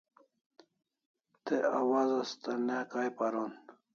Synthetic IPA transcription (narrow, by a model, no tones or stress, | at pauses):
t̪eawazast̪anakajpaɾon